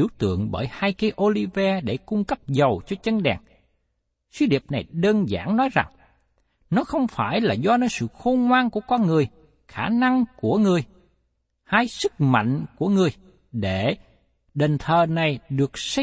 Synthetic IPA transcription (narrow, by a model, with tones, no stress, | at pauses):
i˧˩˦əwt̪ɨ̰˧˨əŋɓə̰ː˧˩jhaː˧jke˧˦ʔo˧li˧vɛ˧ɗe˧˩kʊ˧ŋ͡mkə˦˥p̚zə˨˩wt͡ɕɔ˧t͡ɕə˧nɗɛ̰˨˩ŋ | swi˧ɗi˨˩əp̚na˨˩jɗəː˧nza̰ː˧˩nnɔ˨˦jza˨˩ŋ | nɔ˨˦xə˧wŋ͡mfaː˧˩jlaː˨˩zɔ˧nɔː˧˦jsɨ̰˧˨xo˧nŋwaː˧nku˧˩əkɔ˧nŋɨ˨˩əj | xaː˧˩na˧ŋku˧˩əŋɨ˨˩əj | haː˧jsɨ˦˥k̚ma̰˧˨jŋ̟ku˧˩əŋɨ˨˩əj | ɗe˧˩˨ | ɗe˨˩nt̪ʰəː˨˩na˨˩jɗɨ˨˩ək̚s